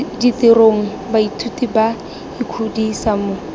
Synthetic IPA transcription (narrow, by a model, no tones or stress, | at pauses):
ditɪroŋ̩ | baitʰutiba | ikʰudisamʊ